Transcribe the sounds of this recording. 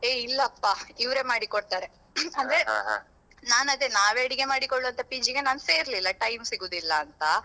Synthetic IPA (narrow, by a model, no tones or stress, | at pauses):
eilːɐːpːaːiʋɾe̞ːmaːɽikoɽt̪aːɾe | ɐnd̪ɐɾe | naːnɐd̪enaːʋeɐɽiɡe̞maːɽikoɭːuɐnt̪ɐpid͡ʒiɡe̞naːnse̞ːɾlilːɐʈɐjmsiɡuːd̪ilːɐːnt̪ɐ